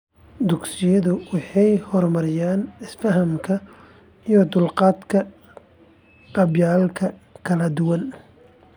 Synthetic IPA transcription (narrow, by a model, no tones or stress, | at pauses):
d̪ʊɡsɪjɐðʊwɑħɑjhɔrmɐɾɪjaːnɪsfɐɦɐmkʰɐ | ijɔd̪ʊlqɑːd̪kʰɐ | qɑbjaːlkʰɐkʰɐlɐd̪ʊwɐn